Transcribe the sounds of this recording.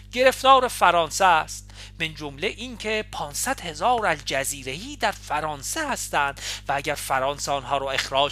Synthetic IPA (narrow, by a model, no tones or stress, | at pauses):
ɟ̥e̞ɾe̞ft̪ɒːɾe̞fæɾɒːnsæst̪ | bend͡ʒomle̞ʔiːŋcʰe̞pʰɒːnsæd̪̥he̞zɒːɾæzd͡ʒæziːɾe̞jiːd̪æɾfæɾɒːnsehæst̪æːnd̪̥vææɟæɾfæɾɒːnseɒːnɦɒːɾɒːe̞xɾɒː